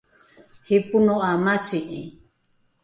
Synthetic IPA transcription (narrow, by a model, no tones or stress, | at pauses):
hipunoʔamasiʔi